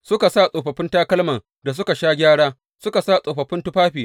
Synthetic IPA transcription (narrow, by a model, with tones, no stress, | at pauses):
sʊ˦ka˨sa˦˨sʼoː˨ɸɐ˨ɸɪ˦ntaː˦kɐ˦lmɐ˨ŋ | da˨s̬ʊ˦ka˨ʃaː˦ɡʲaː˦ɽaː˦ | sʊ˦ka˨saː˦˨sʼoː˨ɸɐ˨ɸɪ˦ntʊ˦ɸaː˦ɸiː˨